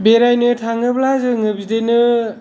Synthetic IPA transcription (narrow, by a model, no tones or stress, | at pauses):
beɾajnɯtʰaŋɯblazɯŋɯbidenɯ